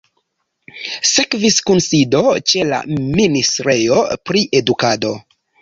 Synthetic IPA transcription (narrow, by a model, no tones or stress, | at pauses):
se̞kviskunsido̞t͡ʃe̞la̰ministɾe̞jo̞pɾiʔe̞dukado̞